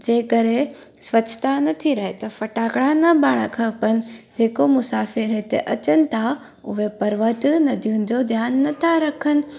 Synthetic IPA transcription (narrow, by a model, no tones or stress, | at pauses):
d͡ʑeːkəɾesʋɐt͡ʃʰːt̪anɐt̪ʰiɾɐɦet̪ɐfɐʈaːkɽãnɐbaːɽ̃əkʰɐpənɪ̆d͡ʑeːkomʊsaːfɪɾet̪eʔɐt͡ɕənɪ̆t̪ʰa | ʊɦepɐɾʋət̪nɐd̪ʱijʊ̃nɪ̆d͡ʑod̪ʱjaːnːɐt̪ʰaɾɐkʰənɪ̆